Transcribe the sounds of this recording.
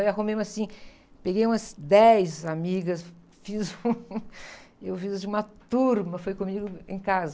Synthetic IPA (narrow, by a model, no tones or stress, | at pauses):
jaɦõmẽmasĩ | peɡejũmɐzd̪ɛjzamiɡɐs | fizũ | ewfizd͡ʒɪũmɐt̪uɾmɐfojkõmiɡʊḛ̃j̃kazɐ